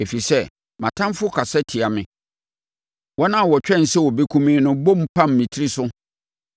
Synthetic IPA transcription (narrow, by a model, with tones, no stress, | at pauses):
e˨fi˨sɛ˦ | mã̰˨tʰã˦mfʊ˦kʰa˨sɛ˦tʰɪ˨a˨mɪ̃˨ | wɔ˦nã˦˨wɔ˨t͡ɕᶣɛ̃˦˨n̩˨sɛ˦wɔ˨be˦kʰũ˦mĩː˦nʊ̃˦bõ˦m̩˦pʰã˦mː˨ĩ˨tʰi˦ɾi˦sʊ˦